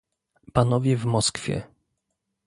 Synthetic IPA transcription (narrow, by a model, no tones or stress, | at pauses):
panɔvʲjɛvmɔskfʲjɛ̰